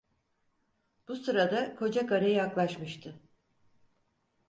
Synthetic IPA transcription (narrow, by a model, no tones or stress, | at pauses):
b̥usɯɾad̪akʰo̞d͡ʒakaɾajjaklˠaʃmɯʃt̪ʰɯ